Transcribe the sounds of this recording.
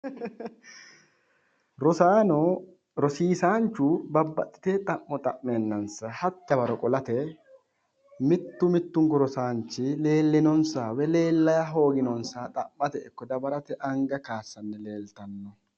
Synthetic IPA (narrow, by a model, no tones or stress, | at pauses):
ɾɔsaːnɔ | ɾɔsiːsaːnt͡ʃːʊbɐbːɐ̰t̪ʼːɪ̥t̪eːt̪ʼɐʔːɔt̪ʼɐʔmeːnːɐnsɐhɐt̪ːɐbɐɾɔkʼɔlɐt̪ɛ | mɪt̪ːʊmɪt̪ːʊŋkɔɾɔsaːnt͡ʃːɪle̞ːlːɪnɔnsaːwɛle̞ːlːɐjɐɦo̞ːɡɪnɔnsaːt̪ʼɐmːɐt̪ɛʔɪkːɔd̪ɐbɐɾɐt̪ɛʔɐŋɡɐkaːsːɐnːɛle̞ːlt̪ɐnːɔ